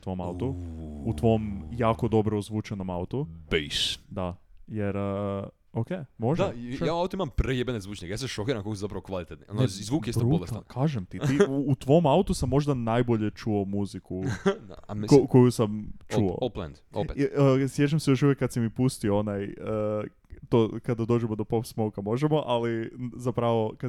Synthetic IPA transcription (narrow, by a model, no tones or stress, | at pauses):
ut̪ʋoma̰ut̪out̪ʋo̞mjaːkod̪o̞bɾozʋuːt͡ʃonomaut̪ubejʃd̪ajeɾ | okemoʒd̪ajaːaut̪oimampɾejebenezʋuːt͡ʃɲikejaseʃokiːɾamkokoszapɾɐʋokʋalit̪et̪nionzʋuːkkjesb̪ɾuːolˠest̪akʰaːʒemt̪it̪iut̪ʋo̞maut̪usamːo̞ʒd̪anajboʎet͡ʃuomuziku | koko̞jusamt͡ʃuo̰oplɛ̰nd̪o̰sjet͡ʃamsejo̞ʃuʋjekːat̪simipust̪ioonajəː | t̪okad̪ad̪o̞ːd͡ʒɛmod̪o̞popsmowkamo̞ʒemo̞ʔalizapɾaʋoka